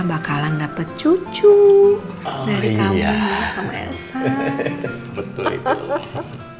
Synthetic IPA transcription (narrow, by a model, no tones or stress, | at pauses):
bakalandapət̪̚t͡ʃut͡ʃu | daɾikamamasamḛsa | bət̪ʊllḭt̪